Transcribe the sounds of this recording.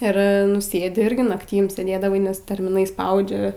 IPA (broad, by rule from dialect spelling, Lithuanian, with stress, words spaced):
ɪr ˈnʊ ˈsʲeːdʲɪ ˈɪrʲɡʲɪ nɐkˈtʲiːm sʲeːˈdʲeːdɐʋɐɪ nʲɛs tʲɛrʲmʲɪˈnɐɪ ˈspɐʊd͡ʒʲɛ